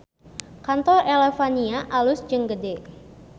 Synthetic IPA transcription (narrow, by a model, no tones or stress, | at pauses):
kant̪ɔrelefaniaʔalʊsd͡ʒəŋɡədɛ